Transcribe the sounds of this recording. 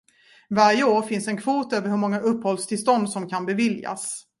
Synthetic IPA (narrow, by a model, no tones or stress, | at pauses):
vaɾjəoːɾfɪnsɛnkʰvuːt̪øːvəɾhɵɾmɔŋːaʔɵpːhɔlst̪ʰɪlst̪ɔnd̪sɔmkʰanbɛvɪlja̰s